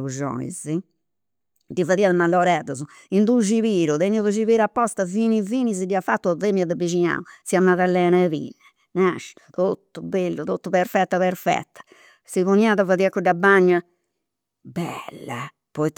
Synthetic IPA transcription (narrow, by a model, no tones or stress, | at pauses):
uʒɔ̰ḭzi | d̪ifaðiːaðɛmalːɔɾɛðɔzu | ind̪uʃiβiːɾuðeɲːɔvuʃiβiːɾapːɔst̪aviːniviːnisidiafat̪ːuðemiaðɛbiʃ̬iɲa̰ːusiamːaðalːɛːnɛvḭnɛ | naʃ | t̪ot̪ːubelːut̪ot̪ːupɛɾfɛt̪ːapɛɾfɛ̰t̪ːḁ | siβunaðafaðiakːuɖabaɲːa | bɛlːa̰ | pɔit̪